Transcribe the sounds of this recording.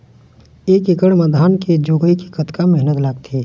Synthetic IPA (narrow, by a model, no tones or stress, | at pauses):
eːkɪkəɽməd̪ʱaːnked͡ʒoːɡəiki̥kət̪kamɛɦnət̪laːɡ̚t̪ʰeː